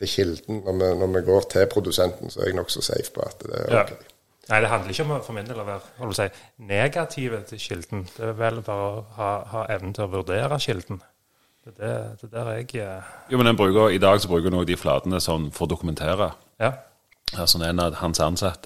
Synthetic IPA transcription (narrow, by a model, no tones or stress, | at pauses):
t̪ʰɪçɪld̪n̩nɔʁmɛnɔʁmɛɡoːɾt̪ʰɪpʰɾʊd̪ʉsɛnt̪n̩sɔɛ̰ɾɛɡnɔksɔsæ̰ɪfpʰɔ̰ɑ̰t̪d̪ɛ̰ɾo̰kʰɛɪ | næɪd̪ɛɦɑnd̪əɾɪçːəɔmfɔʁmɪnd̪elɔʋæːʁhɔləpsæɪneːɡɑt̪ʰɪʋət̪ʰɪʃɪld̪n̩d̪̥ɛʋɛlbɑːɾəɔhɑːhɑːʔɛʋnət̪ʰɪlɔʋʉʁd̪eːɾɑɕɪld̪n̩ | d̥̪ɛd̪æd̪̥ɛd̪æːɾɛɡjuːmɛnd̪ɛnbʁʉːkəɾɪd̪ɑːɡsɔbɾʁʉːkəd̪nɔːɡd̪ɪflɑ̰ːd̪ənəsɔnːfɔʁd̪ʊkʉmɛnt̪ʰeːʁɑ | ɑsɔnɛnɑhɑnsɑnsɑt̪ːə